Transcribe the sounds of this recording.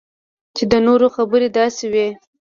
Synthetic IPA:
t͡ʃed̪ənoɾoxabəɾed̪ɑsewe

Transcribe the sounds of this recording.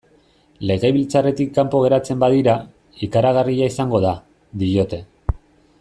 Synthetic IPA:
le̞ɣeβilt͡sare̞t̪ikːampo̞ɣ̞e̞ɾat͡se̞mbaðiɾa | ikaɾaɣariaisaŋɡo̞ða | d̪ijo̞t̪e̞

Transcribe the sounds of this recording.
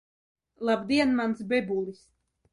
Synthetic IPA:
lˠabd̪iɛnmansbɛbulˠis

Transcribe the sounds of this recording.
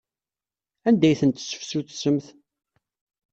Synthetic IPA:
ænd̪æjθənt̪sːə̥fsuθsːəmθ

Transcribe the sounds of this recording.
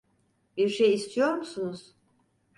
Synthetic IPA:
b̥iɾʃejist̪ʰijoɾmusunuz̥

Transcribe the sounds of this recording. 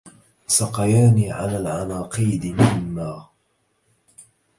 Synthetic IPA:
sɑqɑjaːniːʕalaːlʕanɑːqiːd̪ɪmɪnːaː

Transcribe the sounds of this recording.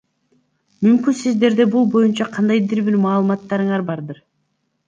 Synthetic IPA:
mymkynsizd̪e̞ɾd̪e̞bulˠbo̞junt͡ʃɑqʰɑnd̪ɑjd̪iɾbiɾmɑːlˠɯmɑt̪ːɑɾɯɴɑɾbɑɾd̪ɯɾ

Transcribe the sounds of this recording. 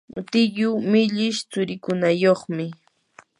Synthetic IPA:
t̪ɪjʊmɪʎɪʃt͡sʊɾɪkʊnajoχmɪ

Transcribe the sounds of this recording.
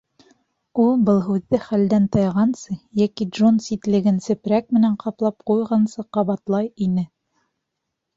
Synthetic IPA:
ulˠbɤlˠɦʉðːɘχæld̪ænt̪ɑjʁɑnsɤjækidʒonsit̪lɘ̆ɡɘnsɘ̆pɾæk̚mɘ̆næɴqɑplˠɑp̚qujʁɑnsɤqɑβɑt̪lˠɑjinɘ

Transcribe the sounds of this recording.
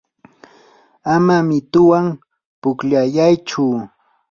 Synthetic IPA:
amamɪt̪ʊwaŋ | pʊkʎajajt͡ʃʊ

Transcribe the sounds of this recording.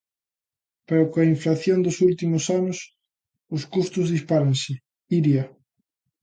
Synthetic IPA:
peɾokoɐiɱflaθjond̪ʊsult̪imʊsanʊs | ʊskust̪ʊzðispaɾaŋsɪ | iɾjɐ

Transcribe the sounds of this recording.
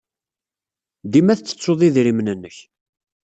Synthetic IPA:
d̪imæθt͡sːə̥t͡sːoðˤiðɾimnənːəç

